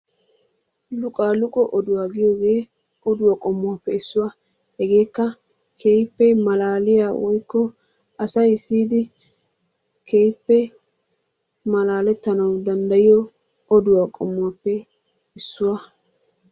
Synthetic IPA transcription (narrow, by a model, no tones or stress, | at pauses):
lʊkʼaːlʊkʼɔʔɔd̪ʊwaːɡɪjoːɡe̞ː | ʔɔd̪ʊwakʼɔmːʊwaːpːɛɪsːʊwa | hɛɡe̞ːkːɐ | kʰejpːɛmɐlaːlɪjaːwɔjkːɔ | ɐsɐjsiːd̪ɪ | kʰejpːɛ | mɐlaːlɛt̪ːɐnɐwd̪ɐnd̪ɐjɪjɔ | ɔd̪ʊwaːkʼɔmːʊaːpːɛ | ɪsːʊwa